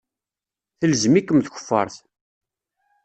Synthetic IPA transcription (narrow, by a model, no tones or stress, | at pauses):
θəlzmikːəmθçə̥fːɑ̰ɾˤθ